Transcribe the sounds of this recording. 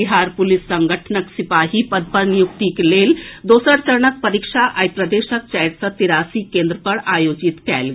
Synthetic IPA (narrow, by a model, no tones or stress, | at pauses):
iɦaːɾpʊlɪsːɐ̃ŋɡʱəʈʰnəksɪpaːɦipəd̪̚pənjʊk̚t̪ikeleːld̪oːsəɾt͡ʃɐɾɳək̚pɐɾiːkʃaʔajpɾəd̪eːʃək̚t͡ʃɐjʈ̪sɐt̪iɾaːsikẽːnd̪ɾəpɐɽaːjoːd͡ʒɪt̪kɛ̰ːlɡ